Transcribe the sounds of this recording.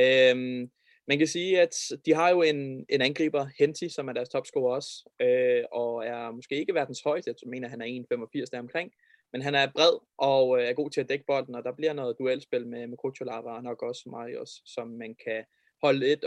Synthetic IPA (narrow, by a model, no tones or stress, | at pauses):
øm | mænkæsiːæd̥d̥iɦɑ̈jo̝e̝ne̝nænɡ̥ʁḭːb̥ɐhend̥ʰisɒ̽mæɐɾ̥æɐst͡sʰɒ̽b̥sɡ̥oːɐɒ̽s | øɒ̽æɐmɔ̽sɡ̥e̝̰ːe̝ɡ̥əʋæɐd̥n̩shɒ̽ɪ̰sd̥me̝ːnɐɦænæɐe̝ːnfemɒ̽fiɐ̰sd̥æɐɒ̽mkʰʁeŋ̰ | menɦænæɐb̥ʁɛð̰ˠ | ʔɒ̽øæɐɡ̥o̝̰ːt͡sʰe̝æd̥eɡ̥əb̥ɒ̽l̰d̥n̩ɒ̽d̥ɑ̈b̥liɐnɔ̽ːð̩ˠd̥uel̰sb̥e̝l̰memekʰoːɕʰo̝lɑ̈ʋɐːnɒ̽ɡ̥ɒ̽smɑ̈iosːɒ̽mːænkʰæ | hɒ̽ləe̝d̥